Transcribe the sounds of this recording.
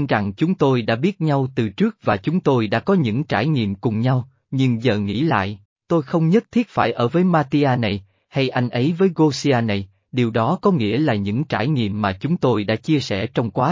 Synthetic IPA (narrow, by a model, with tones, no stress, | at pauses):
nza˨˩ŋt͡ɕʊ˨˦ŋ͡mt̪o˧jɗa̰ː˧˥ɓi˦˥ət̚ɲa˧wt̪ɨ˨˩t͡ɕɨ˦˥ək̚vaː˨˩t͡ɕʊ˨˦ŋ͡mt̪o˧jɗa̰ː˧˥kɔ˨˦ɲɨ̰˧˥ŋt͡ɕaː˧˩jŋḭ˧˨əmkʊ˨˩ŋ͡mɲa˧w | ɲɨ˧ŋzəː˨˩ŋḭ˧˥la̰ː˧˨j | t̪o˧jxə˧wŋ͡mɲə˦˥t̚t̪ʰi˦˥ət̚faː˧˩jʔəː˧˩vəː˨˦jmaː˧t̪i˧ʔaː˧na˨˩j | ha˧jʔa˧jŋ̟ʔə˨˦jvəː˨˦jɣo˧si˧ʔaː˧na˨˩j | ɗi˨˩əwɗɔ˨˦kɔ˨˦ŋḭ˧˥əlaː˨˩ɲɨ̰˧˥ŋt͡ɕaː˧˩jŋḭ˧˨əmːaː˨˩t͡ɕʊ˨˦ŋ͡mt̪o˧jɗa̰ː˧˥t͡ɕi˧əsɛ̰˧˩t͡ɕɔ˧wŋ͡mkwaː˨˦